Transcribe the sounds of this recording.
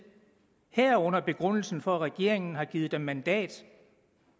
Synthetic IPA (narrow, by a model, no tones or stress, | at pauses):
heɐ̰ɔ̽n̰ɐb̥e̝ɡ̥ʁɔn̰l̩sn̩fɒ̽ʁɛɡ̥e̝̰ɐe̝ŋn̩ɦɑ̈ɡ̥iːð̩ˠd̥emːænd̥ɛ̰ːd̥